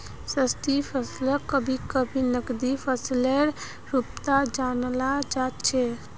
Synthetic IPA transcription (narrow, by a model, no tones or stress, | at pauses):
səst̪ʰipʰəsləkəbʱikəbʱinəkd̪ipʰəsleɾ | ɾupt̪ad͡ʒanlad͡ʒat̪̚t͡ʃʰɛ